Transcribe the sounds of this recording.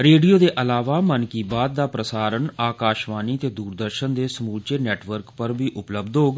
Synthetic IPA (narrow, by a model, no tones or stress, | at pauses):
ɾeːɖijoːd̪eːʔəlaːʋaːmənkiːbaːd̪̚ːaːpɾəsaːɾənaːkaːʃʋaːniːət̪eːd̪uːɾd̪əɾʃənd̪eːsəmuːlt͡ʃeːnɛːʈʋəɾkpəɾbiːʔʊpləbd̪ɦoːɡ